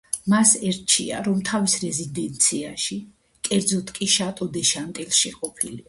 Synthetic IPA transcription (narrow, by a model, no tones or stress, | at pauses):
masɛɾt͡ʃʰḭa̰ɾɔmt̪ʰavisɾɛzid̪ɛnt̪sʰiaʃi | kʼɛɾd̪zɔt̪ʰkʼiʃat̪ʼɔd̪ɛʃant̪ʼilʃɛqʼɔpʰili